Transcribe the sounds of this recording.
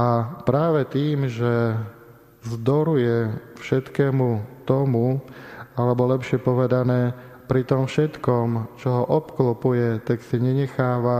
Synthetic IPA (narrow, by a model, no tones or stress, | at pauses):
ʔapɾaːʋɛt̪iːmʒɛ | zd̪ɔɾujɛfʃɛt̪kɛːmut̪ɔmu | alɛbɔlɛpʃɪɛpɔʋɛd̪anɛː | pɾit̪ɔmfʃɛt̪kɔmt͡ʃɔɦɔʔɔpklɔpujɛt̪aksiɲɛɲɛxaːʋa